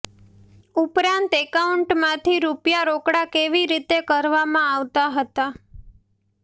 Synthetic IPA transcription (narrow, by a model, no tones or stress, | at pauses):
upɾãnt̪ekauɳʈmãt̪ʰiɾupjaɾokɽakeʋiɾit̪ekəɾʋamãaʋt̪aɦət̪a